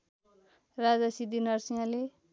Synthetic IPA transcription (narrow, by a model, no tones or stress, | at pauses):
rad͡zasid̪inʌrsijãle